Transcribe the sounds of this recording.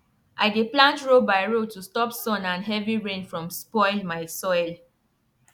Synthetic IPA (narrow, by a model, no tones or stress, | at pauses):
ʔaɪɡeplãntɹobaɪɹotustɔpsɔ̃nãnɦɛviɹẽnfɹɔ̃mspɔɪmaɪsɔɪl